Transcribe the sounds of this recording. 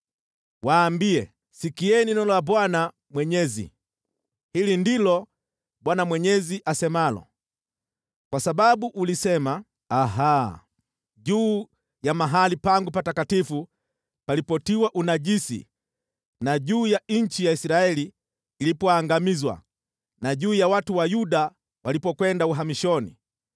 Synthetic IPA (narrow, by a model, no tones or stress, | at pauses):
waːmbiɛ | sikiɛninɔlabwana | mwɛɲɛzḭ | hilindilɔ | bwanamwɛɲɛziʔasɛmalɔ̰ | kwasababuʔulisɛma | aɦa | ɟuː | jamaɦalipaŋɡupatakatifu | palipɔtiwaʔunaʄisḭ | naʄuːjaɲ̩t͡ʃijaisiɾaɛliː | lipɔaŋɡamizwa̰ | naʄuːjawatuwajuɗa | walipɔkwɛndauɦamiʃɔnḭ